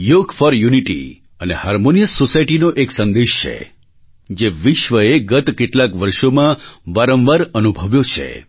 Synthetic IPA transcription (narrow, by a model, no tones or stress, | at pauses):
joɡfəɾjuniʈḭ | ənehaɾmonijəsːosaiʈinoʔeksə̃nd̪eʃt͡ʃʰḛ | d͡ʒeʋiʃʋəeɡət̪keʈlakʋəɾʃomãʋaɾə̃mʋəɾənubʱəʋjot͡ʃʰḛ